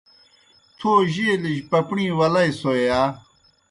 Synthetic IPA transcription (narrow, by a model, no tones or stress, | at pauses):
t͡sʰoːʑiliɕpɐpɳĩːwɐlajsoejaː